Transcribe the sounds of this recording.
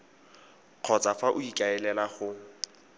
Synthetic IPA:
q͡χʰɔt͡sʼafaʔʊikʼaɛlɛlaχʊ

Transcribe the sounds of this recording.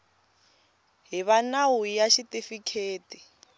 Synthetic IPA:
ɦiβanawujaʃitifikʰeːti

